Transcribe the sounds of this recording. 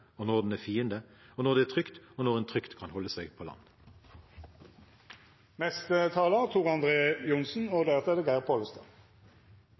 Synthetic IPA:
oːnɔʁd̪n̩æfiːənd̪əoːnɔʁd̪ɛːæːʁt̪ʰʁʏkt̪oːnɔʁɛnt̪ʰʁʏkt̪kʰɑnhɔlːəsæɪɡpʰoːlɑ̰nː | mɛst̪ət̪ʰɑːlət̪ʰuːʁɑnd̪ʁeːjʊnsn̩oːd̪eʁt̪ɛd̪əɡæːʁpʰoːləst̪ɑ

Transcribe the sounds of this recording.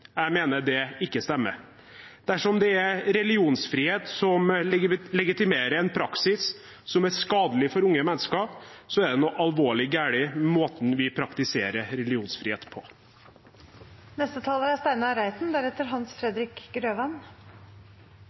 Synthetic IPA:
jæɪmeːnəɖ̪ɛɪkːəst̪ɛmːə̰ | d̪̥æʂɔmd̪ɛæɾɾɛlɪuːnsfɾiːheːt̪sɔmlɛɡɪt̪ɪmeːɾəɾɛnpʰɾɑksɪs | sɔmæʂkɑːd̪əlɪfɔɾʊŋːəmɛnːəskəsɔæd̪ɛnɔʔɑlʋoːɭɪɡæːɭɪmoːt̪n̩ʋɪpʰɾɑkt̪ɪseːɾəɾɛlɪuːnsfɾiːḛːt̪pʰɔ | nɛst̪ət̪ʰɑːləɾæst̪æɪnɑɾæɪt̪n̩d̪æɾɛt̪əɾɦɑnsfɾɛd̪ɾɪkɡɾøːʋæn

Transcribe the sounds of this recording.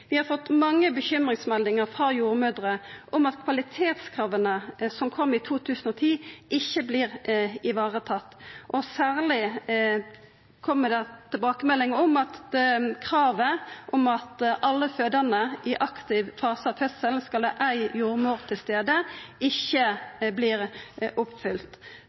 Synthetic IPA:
ʋɪhɑɾfɔt̪ːmɑŋːəbəçʏmʁɪŋsmɛld̪ɪŋəʁfʁɑjuːɾmʉːd̪ʁəʔɔmɑt̪kʰʋɑlɪt̪ʰeːt̪skʰɾʁɑːʋənəsɔmkʰɔmːɪt̪ʰuːt̪ʰʉːsən̩ɔt̪ʰiːɪçːəbliːɾɪʋɑːʁət̪ʰɑt̪ːʔɔsæːʁlɪ | kʰɔmːəd̪ɛt̪ʰɪlbɑːkəmɛlːɪŋəɔmɑt̪kʰʁɑːʋəʔɔmɑt̪ʔɑlːəføːd̪ənəʔɪʔɑkt̪ɪʋfɑːsəɑhœssəlnskɑləʔæɪjuːɾmuːʁt̪ʰɪlst̪eːd̪əɪçːəbliːʁʔʊpfʏlt̪

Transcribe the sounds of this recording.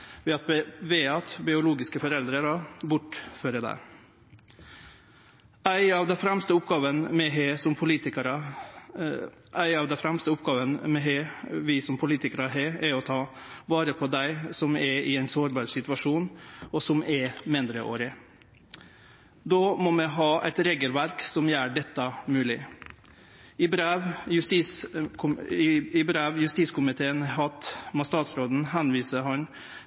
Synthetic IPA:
ʋɛɑt̪bʋɛɑt̪bɪʊluːɡɪskəfɔɾɛld̪ɾəɾɑbʊʈːføːɾəd̪æ̰ɪ | æɪɑːʋd̪ɛfɾɛmst̪əʊpɡɑːʋənmɛɦeːsɔmpʰʊliːt̪ɪkəɾɑ | ʔæɪɑʋd̪ɛfɾɛmst̪əʊpɡɑːʋənmɛɦeʋɪsɔmpʰʊliːt̪ɪkəɾəɦeɛɾɔt̪ʰɑː | bɑːɾəpʰɔd̪æɪsɔmɛɾɪɛɪnsoːɾbɑːɾsɪt̪ʋɑʂuːnɔsɔmʔɛmɪnd̪ɾəʔo̰ːɾɪ | d̪oːmɔmɛɦɑːʔɛ̰ɪt̪ɾeːɡəlʋæɾksɔmjæːɖɛt̪ːɑmʉːlɪ | ɪbɾeːʋjʉst̪iskʰʊɪbɾeːʋjʉst̪iːskʰʊmɪt̪ʰeːənɦɑt̪mɔst̪ɑːt̪sɾoːd̪n̩ɦænʋiːsəɦɑn

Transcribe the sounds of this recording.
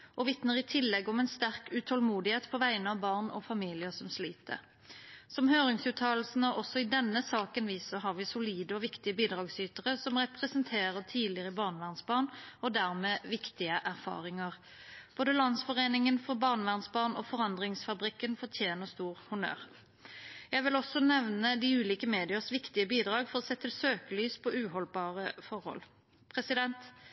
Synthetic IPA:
ʔoːʋɪt̪nəʁɪt̪ʰɪlːɛɡɔmɛːnst̪æʁkʉt̪ʰɔlmuːd̪ɪheːt̪pʰɔʋæɪənəɑʋbɑʁnɔ̰fɑmiːlɪəsɔmsliːt̪ə̰ | sɔmhøːʁɪŋsʉːt̪ʰɑːl̩sn̩ɔʔɔsɔɪd̪ɛnːəsɑːkənʋiːsɔɦɑʁʋiːsʊliːd̪əɔʋɪkt̪ɪəbiːd̪ʁɑːɡsyːt̪əʁəsɔmʁɛpʁɛsənt̪ʰeːɾət̪ʰiːlɪʁəbɑːʁnʋæʁnsbɑːʁnɔd̪æʁmeːʋɪkt̪ɪəʔæʁfɑ̰ːʁɪŋəʁ | b̥oːd̪əlɑnsfɔʁeːnɪŋənfɔʁbɑʁnʋæʁnsbɑːʁnoːfɔʁɑnd̪ʁɪŋsfɑbʁɪkːənfɔʁʈ̪ʰjeːnəst̪uːʁhʊnø̰ːʁ | jæɪʋɪlɔsɔnɛʋnəd̪iʉːliːkəmeːd̪ɪəsʋɪkt̪ɪəbiːd̪ʁɑːɡfɔʁɔsɛt̪ːəsøːkəlyːspʰɔʉːhɔlbɑːʁəfɔʁhɔ̰l | pʰʁɛsɪd̪ɛnt̪

